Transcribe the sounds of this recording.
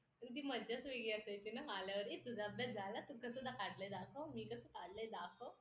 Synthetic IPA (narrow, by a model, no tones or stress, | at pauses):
ənit̪̬iːməd͡ʑasʋiɡiasajt̪inaɦalaʋəɾit̪ud͡zʱabɛd͡zalat̪ukəsəd̪ʱakaɽləjd̪akʰomiːkəsəːkaɽləjd̪akʰo